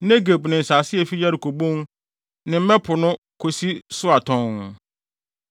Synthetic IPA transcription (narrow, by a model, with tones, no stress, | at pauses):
nɛ̃˦ɡe˨bnɪ̃˨n̩˨saː˨sɪ˦ɛ˨fi˦ja˦ɾɪ˨kʰo˨bõ˦n | nɪ̃˨m̩˦mɛ̃˦pʰʊ˨nʊ̃˦ | kʰo˨si˦sʊ˦a˨tʰɔ̃˨n